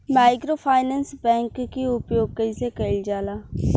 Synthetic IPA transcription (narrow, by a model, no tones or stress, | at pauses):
maːɪkɾoːpʰaːɪnɛ̃ːnsbɛ̃ːŋkːiʊpjoːɡ̚kəisekəɪld͡ʒaːlaː